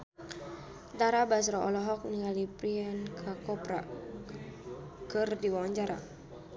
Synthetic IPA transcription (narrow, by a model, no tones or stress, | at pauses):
d̪aɾabasɾɔʔɔlɔɦɔk̚niŋalipɾiɛnkʰakɔpɾa̰ | kɨrdiwawaɲd͡ʒaɾa̰